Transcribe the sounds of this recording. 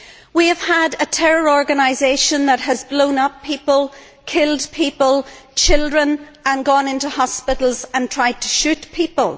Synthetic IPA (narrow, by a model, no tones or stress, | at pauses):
wiəv̥əɾətʰɛɹə˞ɔɹɡənaɪzeɪʃə̃nðət̚ɦəzblõʊ̃nʌpʰːipəlˠ | kʰɪlˠdpʰipəlˠt͡ʃʰɪlˠdɹə̃nə̃nɡɔ̃nɪ̃ntuhɑspɪɾl̩ˠzə̃ntʰɹ̥aɪd̚tʰə̥ʃʉtpʰipəlˠ